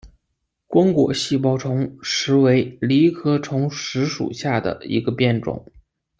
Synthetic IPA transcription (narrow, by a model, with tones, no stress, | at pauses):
kwɑ˥ŋkwɔ̰˨˩ɕi˥˩p̬ɑ˥ʊʈ͡ʂʰʊ˧˥ŋʂɻ̩˧˥we˧˥ɪli˧˥kʰɤ˥ʈ͡ʂʰʊ˧˥ŋʂɻ̩˧˥ʂṵ˨˩ɕja˥˩d̪ə̰˩ḭ˧˥ɡə˧pjɛ˥˩nʈ͡ʂʊ̰˨˩˦ŋ